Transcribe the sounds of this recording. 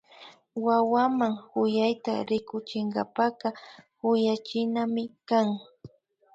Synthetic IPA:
wawamaŋhʊjajt̪aɾɪkʊt͡ʃɪŋɡapaqɑhʊjat͡ʃɪnamɪkaŋ

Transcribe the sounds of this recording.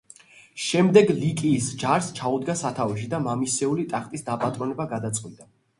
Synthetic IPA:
ʃɛmd̪ɛɡlikʼiːsd͡ʒaɾst͡ʃʰaud̪ɡasat̪ʰaviʃ̬id̪amamisɛulit̪ʼaχt̪ʼisd̪apʼat̪ʼɾɔnɛbaɡad̪at̪sʼqʼwid̪ʼa

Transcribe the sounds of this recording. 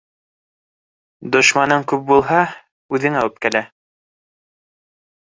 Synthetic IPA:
d̪ŏʃmɑnɤŋkʉp̚bulˠɦɑ | ʉðɘ̆ŋæwɘp̚kælæ

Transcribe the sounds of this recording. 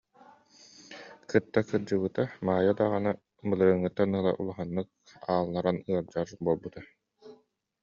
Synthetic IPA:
kɯt̪ːakɯɾd͡ʑɯβɯt̪amaːjad̪aʁana | mɯlˠɯɾɯŋːɯt̪ːanɯlˠa̰ʔṵlˠaɦanːɯk̚ | aːlˠnaɾanɯɐld͡ʒaɾbuɔlˠbut̪a

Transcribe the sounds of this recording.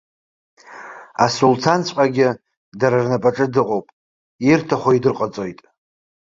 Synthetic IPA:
asult͡sʰant͡sʷʼqʼaɡʲɪ | daɾarnapʼaʈ͡ʂʼɨdɨqʼowpʼ | irtʰaχʷoidɨrqʼat͡sʼo̞jtʼ

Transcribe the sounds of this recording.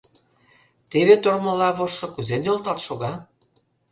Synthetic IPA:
t̪eβet̪ormə̆lɑβoʃːŏkuzenjolt̪ɑt̪ʃoɣɑ

